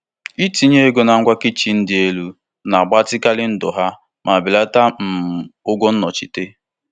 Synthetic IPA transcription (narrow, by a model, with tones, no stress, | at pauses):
i˦ti˨ɲe˦e˦ɡo˨na˨ŋ̩˦ɡʷa˦kɪ˦t͡ʃi˨n̩˦dɪ˨e˦lu˦ | na˨ɡ͡ba˦tɪ˦ka˦lɪ˦n̩˦dʊ˨ɦa˦ | mʔa˨bɪ˨la˦ta˦m̩˨ʊ˦ɡʷɔ˦n̩˦nɔ˨t͡ʃi˨te˦